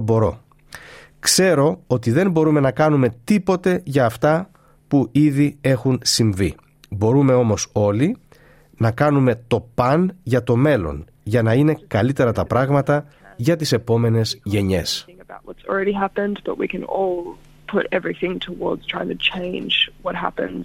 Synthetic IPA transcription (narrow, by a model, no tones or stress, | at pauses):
bo̞ɾo̞̰ | kse̞ɾo̞o̞t̪iðe̞mbo̞ɾume̞nɐkɐnume̞t̪ipo̞t̪e̞ʝɐːft̪ɐ | puʔiðie̞xunsiɱvi | bo̞ɾume̞o̞mo̞so̞li | nɐkɐnume̞t̪o̞pɐnʝɐt̪o̞me̞lo̞̰n | ʝɐnɐine̞kɐlit̪e̞ɾɐt̪ɐpɾɐɣmɐt̪ɐ | ʝɐt̪ise̞po̞me̞ne̞zʝe̞ɲe̞̰sŋəbaʊʔ̚wʌtsl̩ˠɹɛɾiɦæpɨ̃nb̥ʌʔwḭkɨ̃nɔlˠ | pʰʊɾɛvɹiθɪ̃ŋtʰəwɔɹdz̥tʰɹ̥aɪɪ̃ŋtʰɨt͡ʃʰẽɪ̃nd͡ʒwʌt̚ɦæ̰pɨ̰̃nz̥